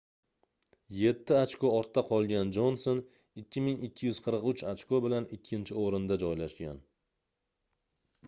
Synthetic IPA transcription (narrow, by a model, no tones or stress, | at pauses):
je̞t̪ʰːɪat͡ʃkoɒɾt̪ʰːaqʰɒlˠɡʲand͡ʒonson | ɪkʲʰːɪmɪŋɪkʲʰːɪjʏz̥qʰɨɾqʊt͡ʃat͡ʃkobɪlanɪkʲʰːɪnt͡ʃʰɪoɾɪnd̪ad͡ʒɒjlaʃɡʲa̰n